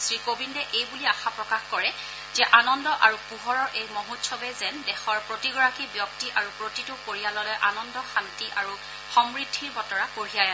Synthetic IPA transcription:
sɹikobindɛʔejbuliaxapɹɔkaxkɔɹɛ | zɛʔanɔndɔʔaɹupuɦɔɹɔɹʔejmoɦutsʰɔbɛzɛndɛxɔɹpɹotiɡɔɹakibjɔk̚tiʔaɹupɹotitʊkoɹijalɔlɔjʔanɔndɔxantiʔaɹu | xɔmɹidʱːiɹbɔtɔɹakoɹiaja

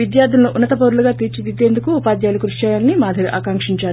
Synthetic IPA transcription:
id̪jaːɾd̪ʱulɐnuʔunːɐt̪ɐpɐɾuluɡaːt̪iːɾt͡ʃid̪id̪e̞ːnd̪ukuːpaːd̪jaːlukɾuʂt͡ʃaːjaːlnimaːd̪ʱɐɾuʔaːkaŋkʂiɲt͡ʃaːɾu

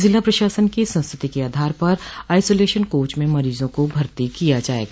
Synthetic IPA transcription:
zɪlːapɾɐʃaːsənkisɐ̃nst̪ʰɾɪt̪ikeaːd̪ʱaːɾpɐɾaːɪsoːleːʃənkoːt͡ʃmẽmɐɾiːzõkobʱɐɾt̪ikijad͡ʒaːḛːɡaː

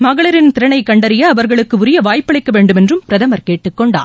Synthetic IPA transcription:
mɐɣɐɭɐɾɪnt̪ɪɾɐɳɐɪkːɐɳɖɐɾɪjɐːʋɐɾɣɐɭɯkːɯʊɾɪjɐʋaːjpːɐɭɐɪkːɐʋeːɳɖɯmɛndrɯmpɪɾɐðɐmɐɾkeːʈːɯkːɔɳɖa̰ː

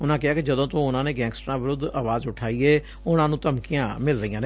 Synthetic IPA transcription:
ʊnãːkɪɦaːkɪd͡ʒəd̪õːt̪õːʊnãːneːɡɛ̃ːŋksʈɾãːʋɪɾʊd̪aːʋaːzʊʈʰaːiːɛː | ʊnãːnũːt̪əmkijãːmɪlɾəĩːjãːne

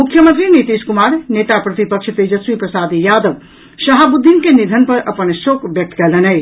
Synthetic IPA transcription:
mukʰːjəmənt̪ɾinit̪iskumaɾnet̪apɾət̪ipəkʃʰt̪ed͡ʒəsʋipɾəsad̪ijad̪əʋ | səɦabud̪ʱːinkenid̪ʱənpəɾəpənsokbjək̚t̪ʰkɛlənəj

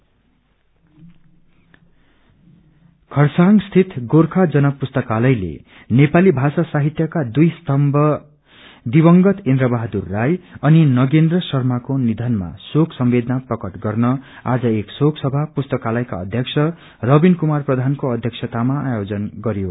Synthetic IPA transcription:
kʰʌrsaŋɡst̪ʰit̪ɡorkʰad͡zʌnʌpust̪ʌkalʌjlḛ | nepalibʱasasaɦit̪jʌkad̪ujst̪ʰʌmbʱʌ | d̪ibʌŋɡʌt̪end̪ɾʌbaɦd̪urːajʌninʌɡend̪rʌsʌrmakonid̪ʱʌnma̰soksʌmbed̪ʌnaprʌkʌʈɡʌrnʌ | a̰d͡zʌeksoksʌbʱapust̪ʌkalʌjka̰ʌ̰d̪ʱjʌksʰʌ | rʌbinkumarprʌd̪ʱankoʌd̪ʱjʌksʰʌt̪amaajod͡zʌnɡʌɾjo

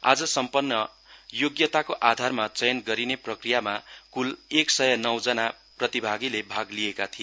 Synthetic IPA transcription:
a̰d͡zʌsʌmpʌnːʌ | joɡjʌt̪akoʔad̪ʱarmat͡sʌjʌnɡʌɾineprʌkrijamakuleksʌjʌnʌwd͡zʌna | prʌt̪ibʱaɡilebʱaɡliekat̪ʰijo

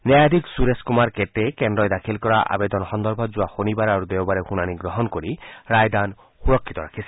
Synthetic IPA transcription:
nɛjad̪ʱiksuɾeskumaɾkeʈekend̪ɾɔjd̪akʰilkɔɾaʔa̰bed̪ɔnxɔnd̪ɔɾbʱɔd͡ʒuaxonibaɾaɾud̪ewbaɾexunaniɡɾɔɦɔnkoɾiɾajd̪an | xuɾɔkʰːit̪ɔɾakʰisʰi

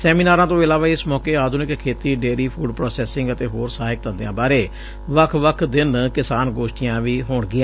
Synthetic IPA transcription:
sɛːmiːnaːɾãːt̪õːɪlaːʋaːɪsmɔːkeːaːd̪ʱʊnɪkkʰːeːt̪iːɖeːɾiːpʰuːɖpɾoːsɛːsɪ̃ŋɡət̪eːɦoːɾsaːɦɪk̚t̪ə̃nd̪ejãːbaːɾeː | ʋəkʰʋəkʰd̪ɪnkɪsaːnɡoːʃʈɪjãːʋiːɦoːɳɡɪãː

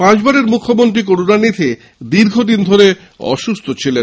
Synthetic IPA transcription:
pãt͡ɕbaɾeɾmukʰːomonʈ̪̬ɾik̬oɽunanit̪ʰe | d̪iɾɡʱod̪ind̪ʱoɾe | ɔ̰ʃust̪ʰot͡ɕʰile

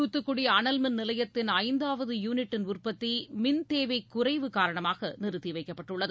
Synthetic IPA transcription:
uːt̪ːɯkːʊɽiɐnɐlmɪnnɪlɐjɐt̪ːɪnɐɪnd̪aːʋɐðɯjuːnɪʈːɪnʊrpɐt̪ːimɪnt̪eːʋɐɪkːʊɾɐɪʋɯkaːɾɐɳɐmaːɣɐnɪɾɯt̪iʋɐɪkːɐpːɐʈːɯɭːɐðɯ

